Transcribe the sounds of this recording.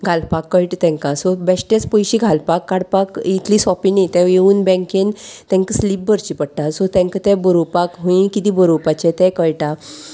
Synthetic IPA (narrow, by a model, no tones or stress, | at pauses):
ɡʱalpakːəjʈt̪ɛ̃ŋkãsɔbɛɕʈet͡spɔjɕiɡʱalpakːaɽpakit̪ʰlisɔpinit̪ɛ̃jeuːnbɛ̃ŋkent̪ɛ̃ŋkəslip̚bəɾt͡ɕipəɽʈasɔt̪ɛ̃ŋkət̪ɛ̃bəɾopakɦũĩkit̪ibəɾopat͡ɕɛ̃t̪ɛ̃kəjʈa